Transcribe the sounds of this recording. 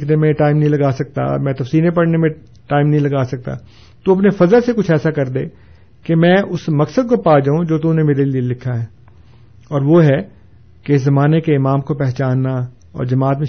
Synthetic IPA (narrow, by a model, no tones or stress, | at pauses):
kʰnemẽʈaːɪmnɐɦĩlɐɡaːsɐk̚t̪a̰mɛ̃ːt̪ɐfsiːlẽpɐɽnemẽ | ʈaːɪmnɐɦĩlɐɡaːsɐk̚t̪a̰ | t̪oɐpnefɐzəlsekʊt͡ʃʰɛːsakɐɾd̪eː | kemɛ̃ːʔʊsmɐksəd̪̚kopaːd͡ʒaːũd͡ʒoːt̪ũnemeːɾelielɪkʰːaɦɛː | ɔːɾʋoɦɛ | keɪszɐmaːnekeɪmaːmkopɛɦt͡ʃaːnːa | ɔ̰ːɾd͡ʒɐmaːt̪mẽ